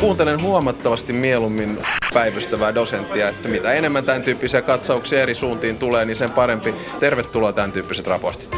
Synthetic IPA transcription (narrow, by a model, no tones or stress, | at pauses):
kuːnt̪elenɦuomɑt̪ːɑʋɑst̪immielumːinpæiʋøst̪æʋæːdo̞sent̪ːiɑet̪ːæmit̪æenemːænt̪ænt̪yːpːisiækɑt̪sɑuksiɑeɾisuːnt̪iːnt̪uleːniːnsempɑɾempi | t̪erʋet̪ːulot̪ænt̪yːpːiset̪rɑ̰port̪i̥t̪